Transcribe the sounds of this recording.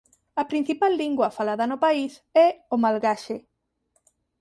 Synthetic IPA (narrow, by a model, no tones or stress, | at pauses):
ɐpɾin̟θipalːiŋɡwɐfalaðɐnopaisɛomalɣaʃe